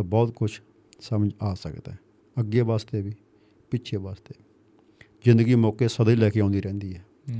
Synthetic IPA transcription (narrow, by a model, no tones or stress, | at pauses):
bɔːt̪̚kʊt͡ʃʰ | səmd͡ʒaːsə̰kd̪aɛː | əɡeːʋaːst̪eːʋiː | pɪtːt͡ʃʰeːʋaːst̪eː | zɪ̃nd̪əɡiːmɔːkeːsəd̪ĩːlɛːkeːãːnd̪iːɾɛ̃ːnd̪iːɦɛː